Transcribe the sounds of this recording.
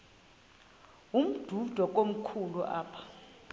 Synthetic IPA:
um̩d̥ʱud̥ʱɔk̬ʼom̩kʰuluʔa̰ːpʰḁ

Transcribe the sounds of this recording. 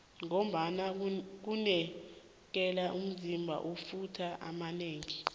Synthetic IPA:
ŋom̩ɓanak̬unɛ | k̬ɛlaʔum̩zimbʱa̰ʔufutʰaʔa̰maneːŋi

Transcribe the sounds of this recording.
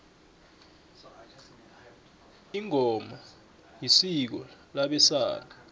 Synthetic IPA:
iŋʱɔma | jisik̬ɔlaɓɛsa̰ːla

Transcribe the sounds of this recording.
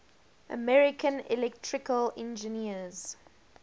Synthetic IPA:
ʔə̰mɛɹɪkʰə̃nɪ̰lɛk̚tʰɹɪkəlɛ̃nd͡ʒəniəz̥

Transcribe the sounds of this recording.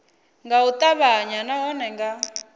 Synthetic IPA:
ŋɡaut̪ʼaβaɲanaɔnɛŋɡa

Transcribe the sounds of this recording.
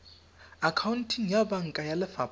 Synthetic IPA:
akʰawuntʰiŋjabaŋ̩kʼajalɪfa

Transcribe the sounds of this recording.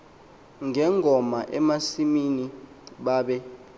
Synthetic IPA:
ŋɛŋʱɔmaʔɛmasimini | ɓaːɓɛ

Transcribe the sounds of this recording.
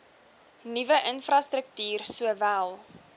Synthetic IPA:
nivəʔənfrɐstɾək̚tyːrsuəvælˠ

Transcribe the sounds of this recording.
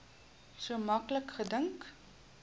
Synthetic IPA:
suəmɐkləkχədəŋk

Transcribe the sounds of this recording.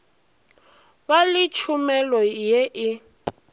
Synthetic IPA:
balɪt͡ʃʰumɛlɔjeʔɪ

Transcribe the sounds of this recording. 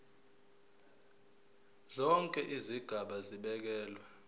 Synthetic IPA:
zɔŋkʼɛʔiziɡ̥ʱaɓaziɓɛk̬ɛːlwɛ

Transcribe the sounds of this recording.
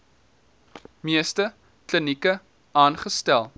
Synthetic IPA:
miəstə | klənikə | ɑːnχəstælˠ

